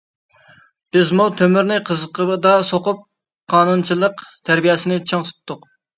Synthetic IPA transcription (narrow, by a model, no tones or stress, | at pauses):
b̥ɪzmut̪ʰømyɾnɪqʰəzəqəbd̪ɑsoqʊp̚ | qʰɑːnunt͡ʃʰilˠəqt̪ʰæɾbijɛsɪnɪt͡ʃʰeŋsu̥t̪ʰːʊq